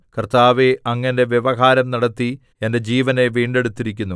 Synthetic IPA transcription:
kɐrt̪aːʋeʔɐŋːɐnde̞ʋjeʋɐɦaːɾɐmnɐɽɐt̪ːi | ende̞d͡ʑiːʋɐne̞ʋiːɳɖe̞ɽut̪ːiɾikʲːunːu

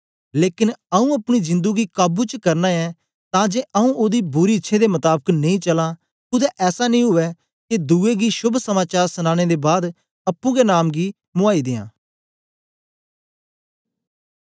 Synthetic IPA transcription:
leːkɪnəũːəpñizɪ̃nd̪uɡiːkaːbuːt͡ʃkəɾnãːɛ | t̪ãːd͡ʒeːʔəũːoːd̪iːbʊɾiɪtːʃʰed̪emət̪aːbəknẽĩːt͡ʃəlãː | kʊd̪ɛːʔɛːsaːnĩːɦʊɛː | ked̪uːeːɡiːʃʊbʱsəmaːt͡ʃaːɾsənãːɽ̃eːd̪eːbaːd̪ | əpːũːɡenaːmɡiː | mʊaːid̪ɪjã̰ː

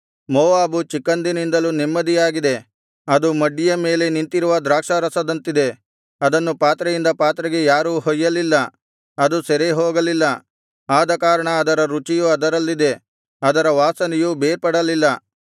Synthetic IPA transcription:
mɔːʋaːbut͡ʃikːɐnd̪inind̪ɐlunimːɐd̪ijaːɡid̪e̞ | ɐd̪umɐɖːijɐme̞ːle̞nint̪iɾuʋɐd̪ɾaːkʂɐɾɐsɐd̪ɐnt̪id̪e̞ | ɐd̪ɐnːupaːt̪ɾɐjind̪ɐpaːt̪ɾɐɡe̞jaːɾuːɦɔjːɐlilːɐ | ɐd̪usɛɾeɦoːɡɐlilːɐ | aːd̪ɐkaːɾɐɳɐːd̪ɐɾɐɾut͡ʃijuɐd̪ɐɾɐlːid̪e̞ | ɐd̪ɐɾɐʋaːsɐnɛjubeːɾpɐɽɐlilːɐ

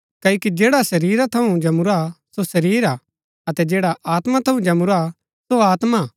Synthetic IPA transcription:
kɐːokid͡ʒeːɽasɐɾiːɾat̪ʰɐũd͡ʒɐmʊɾasosɐɾiːɾa | ɐt̪ɛd͡ʒeːɽaʔaːt̪mat̪ʰɐũd͡ʒɐmʊɾa | soaːt̪ma

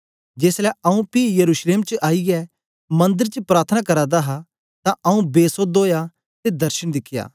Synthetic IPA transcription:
d͡ʒeːslɛɐũpijɐɾuːʃleːmt͡ʃʔaːiɡɛ | mɐ̃nd̪əɾt͡ʃəpɾaːɾt̪ʰənakɐɾad̪aɦa | t̪ãʔɐũbeːsod̪oːja | t̪ed̪ɐɾʃəñd̪ɪkʰːja̰ː

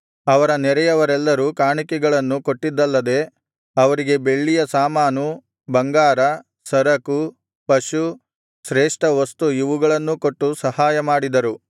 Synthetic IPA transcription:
ɐʋɐɾɐnɛɾɛjɐʋɐɾɛlːɐɾuːkaːɳikɛɡɐɭɐnːuko̞ʈːid̪ːɐlːɐd̪e̞ | ɐʋɐɾiɡe̞be̞ɭːijɐsaːmaːnu | bɐŋɡaːɾɐ | sɐɾɐku | pɐʃu | ʃɾeːʂʈɐʋɐst̪uiʋuɡɐɭɐnːuko̞ʈːusɐhaːjɐmaːɽid̪ɐɾu

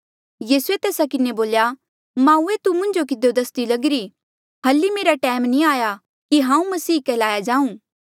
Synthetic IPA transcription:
jiːsuet̪eːsakɪneboːlja | mãːuet̪umʊ̃ɲd͡ʒokɪd̪od̪ɐst̪ilɐɡɪɾi | hɐlːimeːɾaʈɛːɪmnĩaːja | kiɦãːũmɐsiːkɛːlaːjad͡ʒaːũː

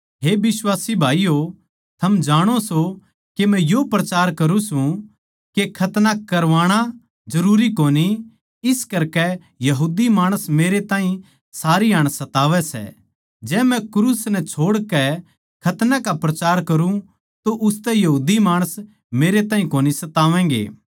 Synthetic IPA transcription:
ɦeːbɪswaːsibʱaːijo | t̪ʰɐmd͡ʒaːɽ̃oso | kemɛ̃jopɾɐt͡ʃaːɾkɐɾũsũ | kekʰɐt̪nakɐɾʋaːɽ̃a | d͡ʒɐɾuːɾikoːni | ɪskɐɾkɛ | jɐɦuːd̪imaːɽ̃əsmeːɾet̪ãːɦĩ | saːɾiaːɽ̃sɐt̪aːʋɛsɛ̰ | d͡ʒɛːmɛ̃kɾuːsnɛt͡ʃʰoːɽkɛ | kʰɐt̪nãkapɾɐt͡ʃaːɾkɐɾũ | t̪oʔʊst̪ɛjɐɦuːd̪imaːɽ̃əs | meːɾet̪aːɦĩkoːnisɐt̪aːʋɛ̃ːɡḛː

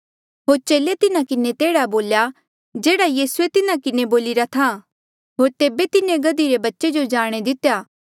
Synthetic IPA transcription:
ɦoːɾt͡ʃeːlet̪ɪnãkɪnet̪eːɽaboːlja | d͡ʒeːɽajiːsuet̪ɪnakɪneboːlɪɾat̪ʰa | ɦoːɾt̪eːbet̪ɪnẽɡɐd̪iɾebɐtːʃed͡ʒod͡ʒaːɽ̃ed̪ɪt̪ejaː

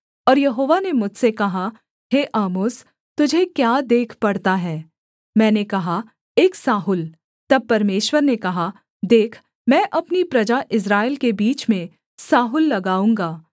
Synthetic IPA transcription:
ɔːɾjɐɦoːʋanemʊd͡ʒʱsekɐɦa | ɦeːʔaːmoːs | t̪ʊd͡ʒʱekjaːd̪eːkʰpɐɽt̪aɦɛː | mɛ̃ːnekɐɦa | eːksaːɦʊl | t̪ɐb̚pɐɾmeːʃwəɾnekɐɦa | d̪eːkʰ | mɛ̃ːʔɐpnipɾɐd͡ʒaʔɪs̬ɾaːɪlkebiːt͡ʃmẽ | saːɦʊlːɐɡaːũːŋɡaː

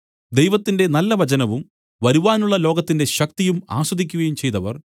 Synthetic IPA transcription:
d̪ejʋɐt̪ːinde̞nɐlːɐʋɐt͡ɕɐnɐʋum | ʋɐɾuʋaːnuɭːɐlo̞ːɡɐt̪ːinde̞ɕɐk̚t̪ijuma̰ːswɐd̪ikʲːuɣɐjumt͡ɕe̞jt̪ɐʋɐ̰r

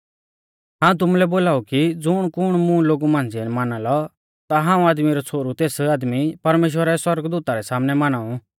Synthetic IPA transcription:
ɦãːũt̪̬ʊmulɛboːlaːukid͡zʊɽ̃kʊɽ̃mũloːɡumãːnd͡ziɛnmanalɔ | t̪aɦãːũaːd̪miɾɔt͡sʰoːɾut̪eːsaːd̪mipɐɾmeːʃ̬wəɾɛswɐɾɡd̪uːt̪aɾɛsaːmnɛmanaːũ

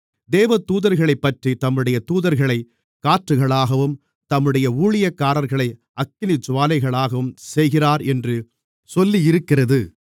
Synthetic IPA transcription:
d̪eːʋɐt̪uːðɐɾɣɐɭɐɪpːɐʈrit̪ɐmːɯɽɐjɐt̪uːðɐɾɣɐɭɐɪ | kaːʈrɯɣɐɭaːɣɐʋɯm | t̪ɐmːɯɽɐjɐuːɭɪjɐkːaːɾɐɾɣɐɭɐɪ | ɐkːɪnɪt͡ʃːʊʋaːlɐɪɣɐɭaːɣɐʋɯmsɛjɣɪraːɾɛndrɯ | sɔlːijɪɾɯkːɪrɐðɯ

